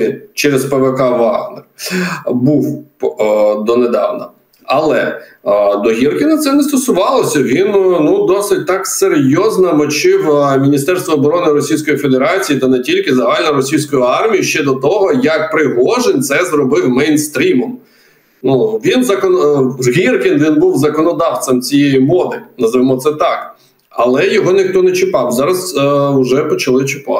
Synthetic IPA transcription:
t͡ʃɛɾezpeʋekɑʋɑɣner | buw | d̪ɔned̪ɑ̰wnɐ | ɐlˠɛ̰ | d̪ɔɦʲirkɪnɐt̪sɛnɛst̪ɔsʊʋɑlˠɔsʲɐʋʲinnud̪ɔsɪt̚ʲt̪ɑkserjɔznɐmɔt͡ʃɪwmʲinʲist̪ɛrst̪ʋɔːbɔɾɔnɪɾɔsʲijsʲkɔjife̞d̪eɾɑt͡sʲijit̪ɐnɛtʲilʲkɪzɐɦɑlʲnɔɾɔsʲijsʲkɔjʊɑrmʲijiʃt͡ʃɛd̪ɔt̪ɔɦɔjɐk̚pɾɪɦɔʒenʲt̪sɛzrɔbɪwmɛjnst̪ɾʲimɔm | nuʋʲinzɐkɔnzɦʲirkɪnʋʲinbuwzɐkɔnɔd̪ɑwt̪sɐmt͡sʲijejimɔd̪ɪnɐzɐʋɪmɔt̪sɛt̪ɑk | ɐlˠɛjɔɦɔnɪxt̪ɔnɛt͡ʃɪpɑwzɑɾɐsʊʒɛpɔt͡ʃɐlˠɪt͡ʃɪpɑ̰

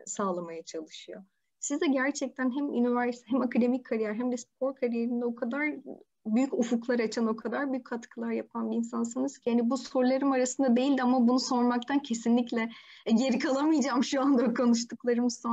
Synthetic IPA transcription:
saːlˠamajat͡ʃʰalˠɯʃɯjo̞̰ | sizd̪ɛɟæɾt͡ʃʰɛc̚t̪ʰænɦæmy̰nivæɾsi̥t̪ʰɛɦɛmakʰad̪e̞micʲkʰːaɾijæɾɦæmd̪ɛspʰo̞ɾkʰaɾijeɾind̪ɛo̞kʰad̪aɾ | byjycufuklˠaɾɯat͡ʃʰano̞kʰad̪aɾbyjychʰat̪kʰɯlˠaɾjapʰanbiːnsansɯnɯz̥cʰihanibuso̞ɾlˠaɾɯmaɾasɯnd̪ad̪e̞jilʲd̪iamabunuso̞ɾmak̚t̪ʰancʰe̞sinlʲiclʲɛ | ɟe̞ɾikʰalˠamɯjd͡ʒaːmʃuand̪akʰo̞nuʃt̪uklˠaɾɯmsa

